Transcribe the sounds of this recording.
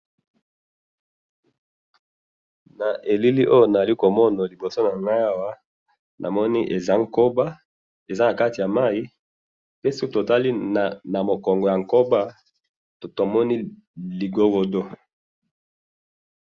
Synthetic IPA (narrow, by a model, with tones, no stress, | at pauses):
na˨ʔe˨li˦li˦ʔo˦jo˨na˨za˨li˦ko˨mɔ˦na˨li˨bo˨so˦na˨ŋɡa˦a˦wa˦ | nʔa̰˨mɔ˦ni˦ʔe˨za˦ŋko˦ba˦ | e˨za˦na˨ka˦ti˨ja˨ma˦i˦ | pe˦si˦ko˦to˨ta˦li˦˨na˨mo˨kɔ˨ŋɡo˨ja˨ŋ˨ko˦ba˦ | tto˨mɔ˦ni˦ | li˨ɡo˦ɡo˨do˦